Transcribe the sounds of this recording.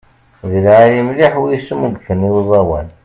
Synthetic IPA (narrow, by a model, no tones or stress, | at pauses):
ðiljəmliħwijismuɡθəniwzˤɑwæn